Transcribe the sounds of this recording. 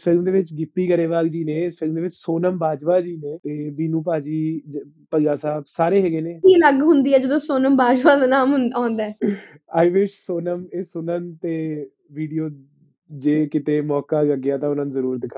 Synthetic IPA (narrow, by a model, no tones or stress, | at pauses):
spɪɡmd̪eːʋɪt͡ʃɡɪpːiːkəɾeːʋaːɡd͡ʒiːneːɪsʈʰɪɾmd̪eːʋɪt͡ʃsoːnəmbaːd͡ʒʋaːd͡ʒiːnẽːt̪eːd̪iːnũːp̬aːd͡ʒiː | pəd͡ʒaːsaːbsaːɾeːɦɛːɡeːneːkiːləɡɦʊnd̪iːɛːd͡ʒəd̪õːsoːnəmbaːd͡ʒpaːd̪aːnaːmɦaːnd̪aɛː | aːiːʋɪʃsoːnəmeːsʊnənt̪eː | ʋiːɖijoː | d͡ʒeːkɪt̪eːmɔːkaːəɡɪjaːt̪ãːʊnãːnuzəɾuːɾd̪ɪkʰaː